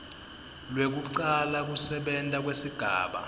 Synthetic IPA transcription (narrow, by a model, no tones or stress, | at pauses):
lwek̬uǀalak̬usɛɓɛntʼak̬wesiɡ̥ʱa̰ːɓa̰